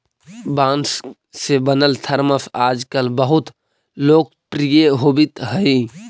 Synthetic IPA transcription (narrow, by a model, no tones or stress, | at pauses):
bãːns | sebənəlt̪ʰəɾməsʰaːd͡ʒkəlbəɦʊt̪ | loːk̚ | pɾijeɦoːbɪt̪ɦəi